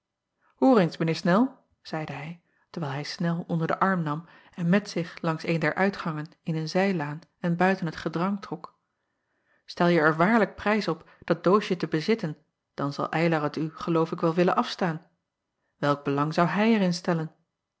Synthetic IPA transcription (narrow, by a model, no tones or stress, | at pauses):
huːɾejnsmənɪːɹsnɛlˠ | z̥ɛjdəɦɛj | təɹʋɛːlˠɦɛjsnɛlˠɔ̰ndəɹdə̰ʔɑɹmnɑm | ɛnmɛtsɪχlɑŋsejndɛɹʔœɥtχɑŋən | ɪnənzɛjlaːnɛnbœɥtənɦətχədrɑŋtrɔk | stɛlˠjəɛɹʋaːɹlək̚prɛjsɔp | d̥ɑd̚dowʃətəbəzɪtən | d̥ɑnzɑ̰lˠʔɛjlɑʁətyχəlowfɪkʋɛlˠʋɪlənʔɑfstaːn | ʋɛlˠɡ̚bəlɑŋzɑwɦɛjɛɹɪnstɛlən